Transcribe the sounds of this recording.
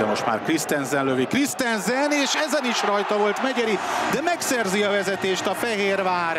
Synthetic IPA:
ɛmo̞ʃt̪ma̰ːrkrist̪ɛnzɛnløvikrist̪ɛnzɛneːʃɛzɛniʃrɒjt̪ɒvo̞lt̪mɛɟɛɾid̪ɛmɛksɛrziɒvɛzɛt̪eːʃt̪ɒfɛɦeːrvaːɾ

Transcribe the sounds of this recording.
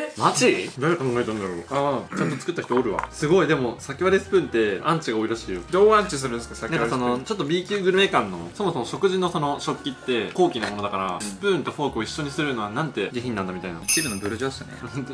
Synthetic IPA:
mat͡ɕid̪aɾekãŋɡaet̪ãnd̪aɾo̞ːat͡ɕãnt̪o̞t͡sɨ̥kɯt̪ːaçi̥t̪oːɾɯ̟βa̰sɨɡo̞id̪e̞mo̞sakʲiβaɾesɨ̥pɯ̟̃nt̪ːe̞ãɲ̟t͡ɕiɡaoiɾaɕiːjod̪oːãɲt͡ɕis̬ɨɾɯ̃nesɨkasak̪ʲãkso̞no̞t͡ɕo̞t̪ːobʲiːkʲɨːɡɯ̟ɾɯ̟me̞ːkãnːo̞̰so̞mo̞so̞mo̞ɕo̞kɯ̟ʑino̞so̞no̞ɕo̞kʲːit̪ːe̞ko̞ːkʲinomo̞od̪akaɾa̰sɨ̥pɯ̟̃ːnt̪o̞ɸo̞ːkɯ̟o̞iɕːo̞ɲ̟isɨɾɯ̟no̞β̞anãnt̪e̞ɡʲiçʲĩɲ̟ːãnd̪amʲit̪aina̰sʲiɾɯnobɯ̟ɾɯd͡ʑo̥ːanḛɯ̃

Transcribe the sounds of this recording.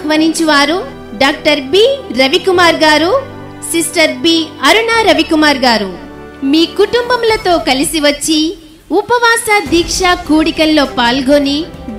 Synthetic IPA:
ʋɐniɲt͡ʃuʋaːɾu | ɖaːk̚ʈɐɾbiːɾɐʋikumaːɾɡaːɾu | sisʈɐɾbiːɐɾunaːɾɐʋikumaːɾɡaːɾu | miːkuʈumbɐmlɐt̪o̞ːkɐlisiʋɐt͡ʃːi | upɐʋaːsaːd̪iːkʂaːkuːɽikɐlːo̞ːpaːlɡoːni

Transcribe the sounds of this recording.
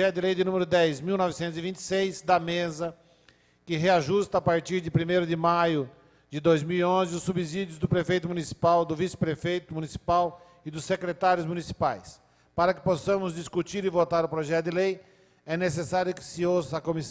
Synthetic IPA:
ɛt̪ʊd̪ɪlejd̪ɪnũmeɾʊd̪ɛjzmiwnɔvɪsẽnt̪ʊzivĩnt͡ʃ̪ɪ̥sejzd̪ɐmezɐ | kɪɦeaʒust̪ɐːpaɾt͡ʃiɾd̪ɪpɾimejɾʊd̪ɪmajʊ | d͡ʒ̪ɪd̪ojzmiwiõzɪʊsːubizid͡ʒjʊzd̪ʊpɾefejt̪ʊmũnisi̥pawd̪ʊvisɪ̥pɾefejt̪ʊmunisi̥paw | ɪd̪ʊsekɾet̪aɾjʊzmũnisi̥pajs | paɾɐkɪ̥posɐ̃mʊzd͡ʒ̪iskut͡ʃiɾɪvot̪aɾʊpɾoʒɛt̪ʊd̪ɪlej | ɛnesesaɾjʊkɪ̥sɪowsɐkomis

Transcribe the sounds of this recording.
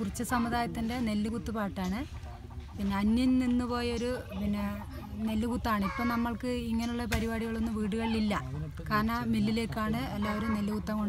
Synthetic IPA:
kurit͡ɕːɐsɐmːud̪aːjɐt̪ːinde̞ne̞lːukut̪ːupaːʈːaːɳɨ | pinːeɐnːjɐnninːupo̞ːjɐoɾupinːe | ne̞lːukut̪ːaːɳipːo̞ːnɐmːɐɭkɨiŋːɐneuɭːɐpɐɾibaːɽiɣɐɭo̞nːumʋiːɽuɣɐɭililːɐ | kaːɾɳɐmilːile̞ːkːaːɳɨelːaːʋoɾumne̞lːukut̪ːɐmoɳ

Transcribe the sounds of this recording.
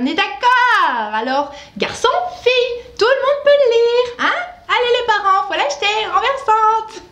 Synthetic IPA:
ɔ̃nɛd̪akɔʁalɔʁ | ɡa̰ʁsɔ̃fijt̪uləmɔ̃d̪̚pøləliːʁɛ̃alelepaʁɑ̃valaʃt̪eʁɑ̃vɛʁsɑ̃t̪

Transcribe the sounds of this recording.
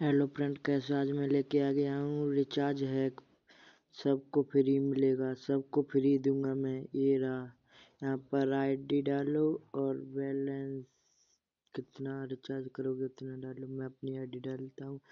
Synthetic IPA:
ɛːlopɾɛ̃ɳʈkaɛs̬aːd͡ʒmẽleːkeaːɡɐjaɦũɾɪt͡ʃaːɾd͡ʒɦɛ | sɐbkopʰɪɾimɪleːɡaːsɐbkopʰɪɾid̪ũːŋɡamɛ̃ːeːɾa | jɐɦãpəɾaːɪɖiɖaːloɔːɾʋɛːlɛns | kɪt̪naɾɪt͡ʃaːɾd͡ʒkɐɾoːɡɪt̪naɖaːlomɛ̃ɐpniaːɪɖiɖaːlt̪aɦũː

